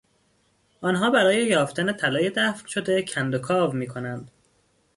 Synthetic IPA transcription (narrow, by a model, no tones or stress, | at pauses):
ʔɒːnɦɒːbæɾɒːje̞jɒːft̪ænet̪ʰælɒːje̞d̪æfcʃo̞d̪e̞cʰænd̪okʰɒːvmiːkʰo̞nænd̪̥